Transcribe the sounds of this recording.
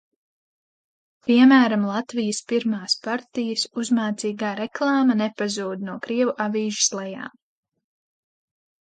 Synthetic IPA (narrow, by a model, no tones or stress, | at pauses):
piɛmæːɾamlˠɑt̪vijəspiɾmaːspaɾt̪ijəsuzmaːt̪siːɡaːɾɛklˠɑːmɐnɛpazuːd̪̚nuɔkɾiɛvuʔaviːʒɪ̥slˠɛja̰ːm